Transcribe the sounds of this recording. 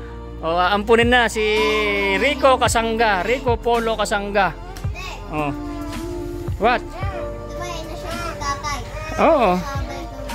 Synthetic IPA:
ʔoaɐmpʊnɪnːasi | ɾiːko̞kɐsaŋɡaɾiːkopoːlokɐsaŋɡa | ʔo | wat̪̚ | n | aa | ʔoːʔo

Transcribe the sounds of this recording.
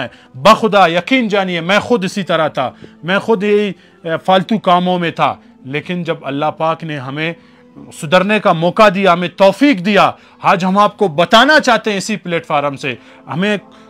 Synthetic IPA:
ɛ | bɐxʊd̪ajɐqiːnd͡ʒaːniemɛ̃xʊd̪ɪsit̪ɐɾat̪ʰa̰ːmɛ̃ːxʊd̪jeɦi | faːlt̪ukaːmõmẽt̪ʰa̰ː | leːkɪnd͡ʒɐbɐ̰lːaɦpaːkneɦɐmẽ | sʊd̪əɾnekamɔːkad̪ijaɦɐmẽt̪ɔːfiːkd̪ija | haːd͡ʒɦɐmaːp̚kobɐt̪aːnat͡ʃaːɦt̪eɦɛ̃ɪsipleːʈfaːɾmse | ɦɐmẽ

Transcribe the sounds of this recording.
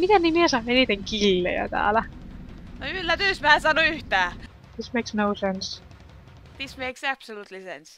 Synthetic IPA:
mit̪enimiesɑːnenit̪eŋkilːḛjɑ̰t̪æ̰ːlæ | noylːæt̪ysmæːensɑnoyht̪æː | d̪ismeksnoʊsens | ð̥ismeːksæpsoluːt̪lisḛns

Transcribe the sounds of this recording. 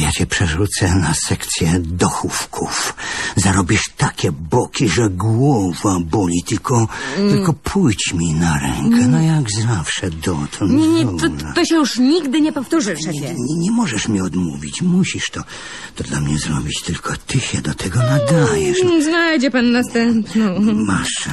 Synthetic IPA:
jat͡ɕɛpʂɛʐut̪sɛnasɛkt̪sʲjɛd̪ɔxufkʰufzaɾɔbʲiʂt̪akʲɛbɔkʲiʐɛɡwɔvabɔlʲit̪ɨlkɔt̪ɪlkɔpʰujt͡ɕmʲinaɾɛ̰ŋkʰɛnɔjaɡzafʂɛd̪ɔt̪ʰɔnɲɛɲɛɔnat̪ɔɕɛjuʂɲiɡd̪ɘɲɛpɔft̪uʐɨfʂɛɛɲɛɲɛmɔʐɛʂmʲɲɛɔd̪muvʲit͡ɕmuɕiʂt̪ɔ | t̪ɔd̪lamɲɛzɾɔbʲit͡ɕt̪ɘlkʰɔt̪ɨɕɛd̪ɔt̪ʰɛɡɔnad̪ajɛʂznajd͡ʑɛpanːast̪ɛmpnɔmaʂ

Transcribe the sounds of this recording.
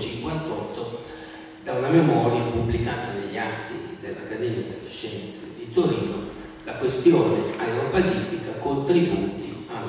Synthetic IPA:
t͡ʃiŋkwant̪ɔt̪ːo | d̪aunamemɔːɾjapubːlikaːt̪aneʎːiat̪ːid̪elːakːad̪ɛːmiad̪elːeʃɛnt̪sed̪it̪oɾiːno | lakwest̪joːneaeɾopat͡ʃit̪ikakont̪ɾibut̪ia

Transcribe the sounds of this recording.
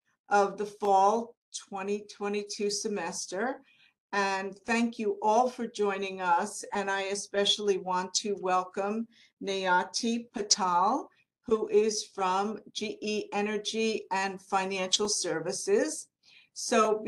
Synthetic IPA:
ʔʌvðəfɔlˠtʰw̥ɛ̃ɾ̃itʰw̥ɛ̃ɾ̃itʰʉsɨmɛstə˞ | ɨ̃nθæ̃ŋkʰjɨʔɔlˠfə˞d͡ʒɔ̃ɪ̃nɪ̃ŋʌsɨ̃naɪɨspɛʃl̩ˠiwɑ̃ntʰɨwɛlˠkə̃m | neɪɑtʰipʰɨtʰɑlˠ | huʔɪz̥fɹʌ̃md͡ʒiʔiʔɛnə˞d͡ʒiɨ̃nfãɪ̃næ̃nʃl̩ˠsɜ˞vɨsɪz̥ | soʊ

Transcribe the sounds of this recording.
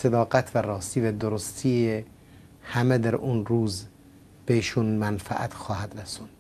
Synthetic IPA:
sed̪ɒːɡæt̪ʰvæɾɒːst̪iːvæd̪oɾost̪ʰiːe | hæmed̪æɾʔunɾuːz | b̥eiʃunmænfæ̰ʔæt̪xɒːhæd̪ɾæsund̥̪

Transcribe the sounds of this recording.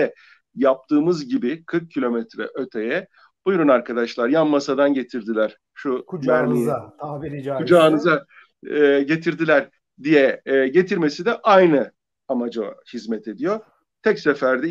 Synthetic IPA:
ɛ | jap̚t̪ʰɯːmɯzɟibikʰɯɾk̚cʰːilʲo̞mɛt̪ɾɛ̰ʔø̞t̪ʰejɛ | b̥ujɾunaɾkʰad̪aʃlˠaɾjanmasad̪anɟe̞t̪ʰiɾd̪ilʲæɾ̥ | ʃuvæɾmij | ud͡ʒaːnɯza | ɟe̞t̪ʰiɾd̪ilʲæɾ | d̪ijɛɟe̞t̪ʰiɾme̞sid̪ɛʔajnɯ | amad͡ʒahizmɛt̪ʰe̞d̪ijo̞ | t̪ʰɛcsefæɾd̪ɛ

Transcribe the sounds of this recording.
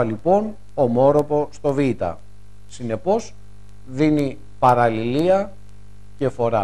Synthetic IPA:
ɐlipo̞n | omo̞ɾopo̞st̪o̞vit̪ɐ̰ | sine̞po̞s | ðini | pɐɾɐliliɐ | ce̞fo̞ɾɐ

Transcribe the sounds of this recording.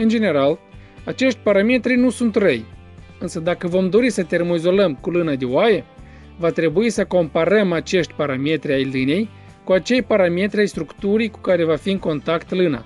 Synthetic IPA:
ɨnd͡ʒe̞ne̞ɾal | at͡ʃe̞ʃt̪ʲpaɾame̞t̪ɾinusunt̪rəj | ɨnsəd̪akəvo̞md̪o̞ɾisət̪e̞rmoizo̞ləmkulɨnad̪eoaje | vat̪ɾe̞buisəko̞mpaɾəmat͡ʃe̞ʃt̪ʲpaɾame̞t̪ɾʲiajline̞j | kuat͡ʃe̞jpaɾame̞t̪ɾʲiajst̪ɾukt̪uɾijku̥kaɾe̞vafiɨŋko̞nt̪akt̪lɨna̰

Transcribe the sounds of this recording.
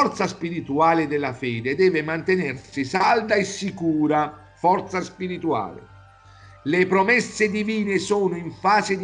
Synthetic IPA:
ɔrt̪saspiɾit̪uaːlɪd̪elːafɛːd̪ed̪ɛːvemant̪enɛrsisald̪aesikuːɾa | fɔrt̪saspiɾit̪ua̰ːlɪ̰ | lepɾomɛsːed̪iviːnesɔːnʊiɱfaːzed̪

